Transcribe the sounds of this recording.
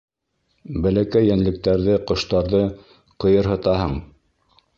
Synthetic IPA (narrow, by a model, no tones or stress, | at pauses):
bælækæjːænlɘ̆k̚t̪æɾðɘqŏʃt̪ɑɾðɤ | qɤ̆jɤɾɦɤ̆t̪ɑɦɤɴ